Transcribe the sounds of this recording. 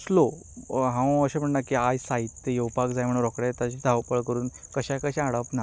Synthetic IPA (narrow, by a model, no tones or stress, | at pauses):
slo | ɦãwəɕem̤əɳnakiajsait̪ːejewpakd͡zajm̤əɽ̃uɾɔkɽɛt̪at͡ɕid̪ʱaʋpəɭkəɾuːnkəɕakəɕãaɽəpna